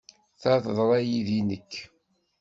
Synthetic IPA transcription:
θaθðˤɾˤæjiðinəkː

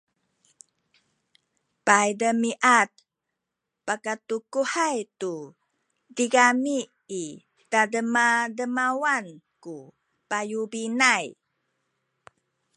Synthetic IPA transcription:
pajdəmiʔat̪̚ | pakatukuhajtu | diɡamiː | tadəmadəmawan | ku | pajubinaj

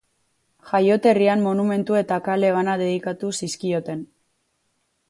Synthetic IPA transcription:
xajo̞t̪e̞riammo̞nume̞nt̪ue̞t̪akale̞β̞anaðe̞ð̞ikat̪usiskio̞t̪e̞n

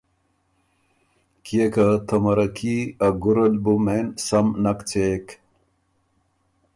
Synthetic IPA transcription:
kiekat̪ʰɐmɐɾɐkʰiɐɡuɾɐlbumensɐmnɐkt͡sek

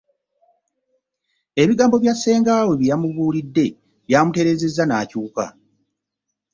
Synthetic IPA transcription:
e̞βiɡaːmbo̞βjasːe̞ːŋɡaːwe̞βijamuβuːlidːe̞ | βjaːmute̞ɾe̞ːze̞zːanaːcuːka̰

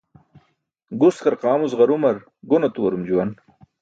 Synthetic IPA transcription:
ɡuskɐɾqɑːmuzʁɐɾumɐɾ | ɡonot̪uwɐɾumd͡ʑuwɐn

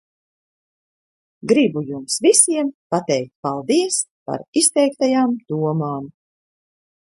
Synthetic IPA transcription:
ɡɾibujumsvisiɛmpat̪ɛjk̚t̪̚ʲpalˠd̪iɛs | pa̰ɾist̪ɛjk̚t̪ajaːmd̪̥uɔmaːm

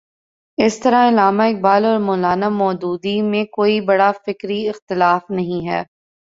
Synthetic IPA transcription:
ɪst̪ɐɾãɪlaːmaɪk̚baːlɔːɾmɔːlaːnamɔːd͡ʒ̪uːd̪imẽkoːibɐɽafɪkɾiɪxt̪ɪlaːfnɐɦĩɦɛ̰ː

